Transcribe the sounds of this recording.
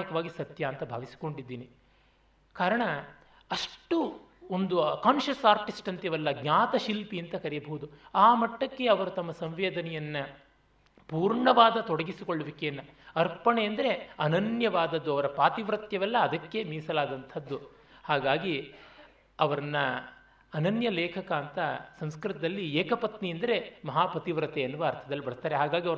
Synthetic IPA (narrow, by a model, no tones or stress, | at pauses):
ikɐʋaːɡisɐt̪jɐːnt̪ɐbʱa̰ːʋisi̥ko̞ɳɖid̪ːiːni | kaːɾɐɳɐ | ɐʂʈu | ond̪ukaːnʃɐsaːɾʈisʈɐnt̪jɐʋɛlːɐɡɲʲaːt̪ɐʃilpiɐnt̪ɐkɐɾɛjɐbɐɦud̪uaːmɐʈːɐkːe̞ɐʋɐɾut̪ɐmːɐsɐmʋeːd̪ɐnɛjɐnːɐ | puːɾɳɐʋaːd̪ɐt̪ɔɽɐɡisikoɭːɐʋikejɐnːɐɐɾpɐɳeɐnd̪ɐɾe̞ɐnɐnjɐʋaːd̪ɐd̪ːuɐʋɐɾɐpaːt̪iʋɾɐt̪jɐʋɛlːɐːd̪ɐkːe̞miːsɐlaːd̪ɐnt̪ʰɐd̪ːu | haːɡaːɡi | ɐʋɐɾɐnːɐː | nɐnjɐlɛːkʰɐkaːnt̪ɐsɐmskɾɨt̪ɐd̪ɐlːieːkɐpɐt̪niɐnd̪ɐɾe̞mɐɦaːpɐt̪iʋɾɐt̪eɐnːuʋaɐɾt̪ʰɐd̪ɐlːibɐɽist̪ːaːɾeɦaːɡaːɡiɐʋɐɾ